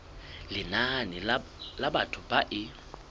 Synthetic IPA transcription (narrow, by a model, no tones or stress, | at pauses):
lɪnanɪlabatʰʊbaʔɪ